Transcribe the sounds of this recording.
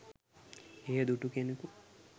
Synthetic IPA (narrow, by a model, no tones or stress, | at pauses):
ejəd̪uʈukeneku